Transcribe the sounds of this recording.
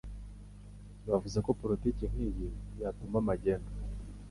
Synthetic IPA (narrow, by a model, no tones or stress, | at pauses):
βavuzeko̞poɾiticiŋ̥hijijatumamaɟeːŋɡa